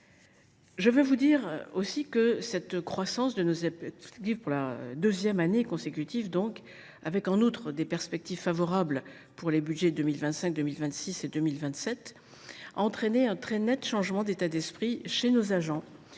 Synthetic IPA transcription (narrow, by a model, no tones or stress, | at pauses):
ʒəvøvud̪iʁosikəsɛt̪kχwasɑ̃sd̪ənozɛɡivpuʁlad̪øzjɛmanekɔ̃sekʲyt̪ivd̪ɔ̃k | avɛkɑ̃nut̪χəd̪epɛʁspɛk̚t̪iv̥favɔʁabl | puʁlebyd̪ʒɛd̪ømilvɛ̃t̪sɛ̃k̚d̪ømilvɛ̃t̪sised̪ømilvɛ̃t̪sɛt̪ | a̰ɑ̃t̪χeneɛ̃t̪χɛnɛt̪ʃɑ̃ʒmɑ̃d̪et̪ad̪ɛspχiʃenozaʒɑ̃